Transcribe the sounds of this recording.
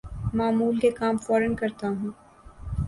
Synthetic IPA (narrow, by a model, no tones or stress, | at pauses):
maːmuːlkekaːmfɔːɾənkɐɾt̪aɦũː